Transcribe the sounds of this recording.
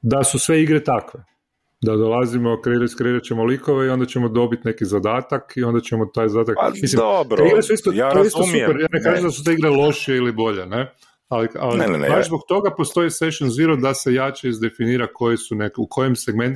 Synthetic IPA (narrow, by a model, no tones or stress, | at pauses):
d̪asusʋe̞iɡɾet̪akʋe | d̪ad̪olˠazimokɾeiɾakɾe̞iɾat͡ʃemolikoʋe̞io̞nd̪at͡ɕemod̪o̞bit̪ne̞kizad̪aːt̪akio̞nd̪at͡ɕemot̪ajzad̪at̪akmisliobɾeiɡɾesuist̪oissupeɾjaːnekaːʒemd̪asut̪eiɡɾelˠo̞ʃijeilibo̞ʎene̞ | alialḭbazbo̞k̚t̪o̞ɡapo̞st̪o̞iseʃonziɾod̪ase̞jat͡ʃeizd̪e̞finiːɾako̞jesunekukʰo̞jemseɡme̞nt̪